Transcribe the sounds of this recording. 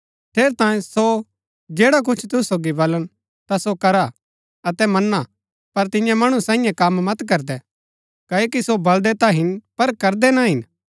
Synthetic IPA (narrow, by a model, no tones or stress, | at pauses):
t̪ʰeːɾt̪ãːẽso | d͡ʒeːɽak̬ʊt͡ʃʰt̪ʊssoːɡibɐlən | t̪asokɐɾa | ɐt̪ɛmɐnːa | pɐɾt̪ɪjãmɐɽ̃usãːɪ̃jãkɐmːɐt̪k̬ɐɾd̪ɛ | kɐːekisobɐld̪ɛt̪aɦɪnpɐɾkɐɾd̪ɛnaɦɪn